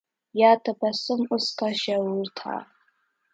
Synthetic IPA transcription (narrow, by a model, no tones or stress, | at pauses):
jatʰabasɨmʊskaʃawrtʰa̰